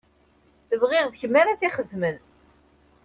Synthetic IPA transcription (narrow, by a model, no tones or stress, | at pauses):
θəvʁɪʁðçəmːaɾaθiχəðmən